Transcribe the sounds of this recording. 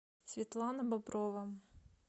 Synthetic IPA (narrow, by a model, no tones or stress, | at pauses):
sʲʋʲit̪lˠɑnɐbɐbɾɔʋɐ